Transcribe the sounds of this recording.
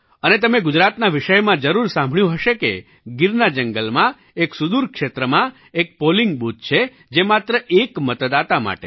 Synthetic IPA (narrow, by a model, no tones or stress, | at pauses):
ənet̪əmeɡʊd͡ʒɾat̪naʋɪʃəjmãd͡ʒəɾuɾsãmbʱɭjũɦəʃekḛ | ɡɪɾnad͡ʒəŋɡəlmã | eksud̪uɾkʃet̪ɾəmã | ek̚poliŋɡ̚but̪̚t͡ʃʰe | d͡ʒemat̪ɾəʔekmət̪d̪at̪ama̰ʈe